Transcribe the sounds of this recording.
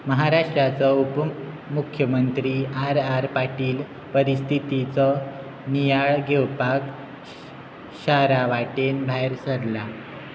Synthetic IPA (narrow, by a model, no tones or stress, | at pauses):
məɦaɾaʂʈɾat͡səup | mukʰjəmənt̪ɾiːaɾaɾpaʈiːl | pəɾist̪ʰit̪it͡sə | nijaɭɡʱewpak | ɕaɾaʋaʈenbʱajɾsəɾla